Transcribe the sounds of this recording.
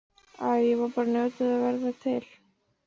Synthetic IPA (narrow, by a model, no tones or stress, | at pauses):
aðjɛvaɾpaːɾanœːt̪ɪðavɛɾðat̪ʰɪl̥